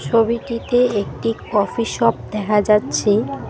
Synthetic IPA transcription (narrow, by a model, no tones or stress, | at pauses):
t͡ɕʰobiʈit̪eek̚ʈikɔfiʃɔp̚d̪ɛkʰad͡ʑatːɕʰe